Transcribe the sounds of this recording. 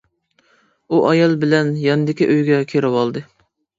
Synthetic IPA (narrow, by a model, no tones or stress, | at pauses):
uʔɑjɑlˠbɪlɛnjɑnɨd̪ɪkʲiʔøjɡʲɛkʲʰeɾɪwɑlˠd̪ɨ